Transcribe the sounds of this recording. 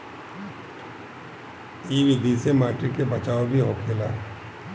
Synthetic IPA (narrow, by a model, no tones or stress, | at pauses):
iːʋɪd̪iːsemaːʈɾikebɐt͡ʃaːobʱiɦoːkʰeːlaː